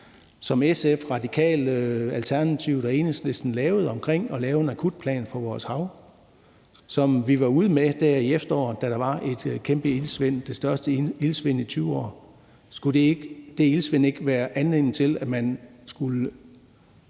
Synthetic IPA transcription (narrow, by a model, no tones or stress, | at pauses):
sɒ̽mesefʁɑ̈d̥ikʰɛ̰ːlælt͡sʰæɐnæt͡sʰiʊd̥ɒe̝ːnsle̝sd̥n̩lɛːʊð̩ˠɒ̽mkʰʁeŋ̰ɒ̽lɛːʊe̝nækʰud̥̚pʰlɛ̰ːnfɒ̽ʋɒːshɑ̈ʊ | sɒ̽mʋiʋɑ̈uð̞ˠmed̥æɐ̰iefd̥ɐɒ̰ːd̥æɾ̥ɑ̈ʋɑ̈ʔe̝d̥kʰemb̥əilsʋen̰d̥e̝sd̥ɶɐsd̥əilsʋen̰it͡sʰyːʊɒ̰ː | sɡ̥ud̥eɡd̥e̝ilsʋene̝ɡ̥əʋæːɐʔænle̝n̩t͡sʰe̝læmænsɡ̥ulə